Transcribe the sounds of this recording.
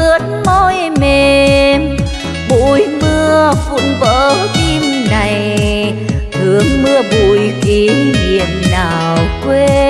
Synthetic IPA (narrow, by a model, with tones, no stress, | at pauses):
ɨ˨˦ənmo˧j | me˨˩ | ɓṵ˧˨jmɨ˧əkṵ˧˥ənvəː˧˨˦ki˧mna˨˩j | t̪ʰɨ˨˦əŋmɨ˧əɓṵ˧˨˩jki˨˦ɲḭ˧˨ənnaː˨˩wkwe˧